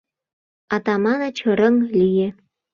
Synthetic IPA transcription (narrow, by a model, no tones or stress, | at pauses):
ɑt̪ɑmɑnɑt͡ɕə̆ɾəŋlije